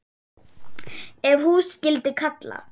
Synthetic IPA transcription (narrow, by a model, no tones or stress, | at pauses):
ɛvhuscɪlt̪ɪkʰat̪la̰